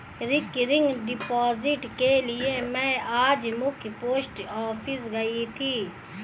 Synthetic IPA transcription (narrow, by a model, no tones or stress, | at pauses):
ɾɪkɾɪŋɡɖɪpaːzɪʈkelɪemɛ̃ːaːd͡ʒmʊ̃kʰipoːsʈɔːfʰɪs̬ɡɐit̪ʰiː